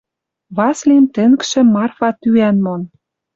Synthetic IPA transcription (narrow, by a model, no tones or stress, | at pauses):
βɑslimt̪ɘ̆ŋkʃĕmɑrfɑt̪yænmon